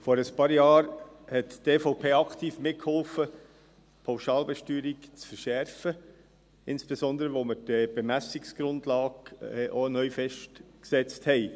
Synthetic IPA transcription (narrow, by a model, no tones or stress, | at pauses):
fɔːɾəspɑːɾjɑːɾ | hɛtd̥eːfoʊpʰeːɑktʰiːfmɪt̚khɔlfə | pʰaʊʃɑːlbɛʃtyːɾɪkt͡sfəɾʃɛɾfə | ɪnsb̥esɔnd̪əɾəʋoməd̥əb̥emæsɪksɡ̥ɾʊndlɑːɡɛʔonœʏfɛʃtksɛt͡sthɛɪ